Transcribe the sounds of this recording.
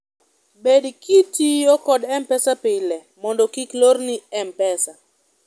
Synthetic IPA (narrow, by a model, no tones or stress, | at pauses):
bedkitiɔkɔdɛmpɛsapɪlɛ | mɔndɔkikloɾniɛmpɛsa